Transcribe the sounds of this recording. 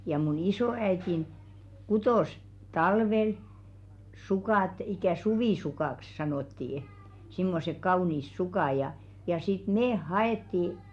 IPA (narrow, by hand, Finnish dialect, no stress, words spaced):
jɑ mun isoːæitin kutoˑs tɑlʋel sukɑˑt ikæˑ suʋiˑsukɑˑks sɑnoˑtːiː simːosek kɑuˑniːs sukɑˑ jɑ jɑ sit meːh̆ hɑetːiˑ